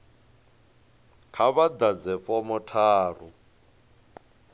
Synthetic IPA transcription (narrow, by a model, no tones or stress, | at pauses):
kʰaβad̪ad͡zɛfɔmɔtʰaːr̤u